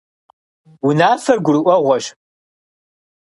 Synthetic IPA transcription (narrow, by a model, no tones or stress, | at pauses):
wunaːfɐrɡʷʊɾɨʔʷɔʁʷɔʃ